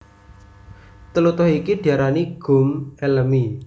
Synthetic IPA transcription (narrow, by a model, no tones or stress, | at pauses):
t̪əlut̪ʊɦikid̪̥i̤aɾaniɡ̥ṳmeləmi